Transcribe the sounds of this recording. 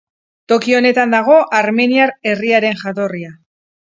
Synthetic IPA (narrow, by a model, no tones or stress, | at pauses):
t̪o̞kio̞ne̞t̪and̪aɣ̞o̞ʔaɾme̞niaɾe̞riaɾe̞nʝat̪o̞ria